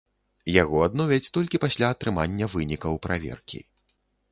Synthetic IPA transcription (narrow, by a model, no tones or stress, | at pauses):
jaɣɔad̪nɔvʲɐt͡sʲt̪ɔlʲkʲipasʲlʲaːt̪ɾɨmanʲːɐvɨnʲikɐwpɾavʲɛ̰rkʲḭ